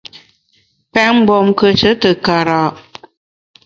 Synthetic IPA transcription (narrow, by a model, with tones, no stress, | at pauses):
pɛ˦m̩˦bɔ˨mkə˦t͡ʃə˨˦tə˨ka˨ɾa˨ʔ